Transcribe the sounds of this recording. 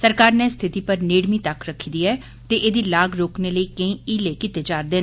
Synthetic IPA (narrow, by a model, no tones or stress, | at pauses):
səɾkaːɾnest̪ʰɪt̪iːpəɾneːɽmĩːt̪əkɾəkʰːid̪iːɛː | t̪eːʔeːd̪iːlaːɡɾoːkneːləiːkəĩːiːleːkɪt̪eːt͡ʃaːɾd̪eːn